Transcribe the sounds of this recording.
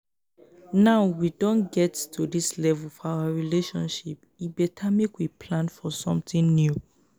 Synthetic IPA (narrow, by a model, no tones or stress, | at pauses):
naʊwidõnɡɛttudislɛvulfɔawaɹileʃɔ̃nʃip | ibɛtʰamikwipʰlãnfɔsɔ̰̃mtĩŋnju